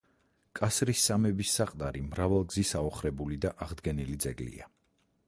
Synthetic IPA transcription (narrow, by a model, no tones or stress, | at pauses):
kʼasɾisːamɛbisːaqʼt̪ʼaɾimɾavalˠɡzisaɔχɾɛbulid̪aʔaʁd̪ɡɛnilid̪zɛɡlḭa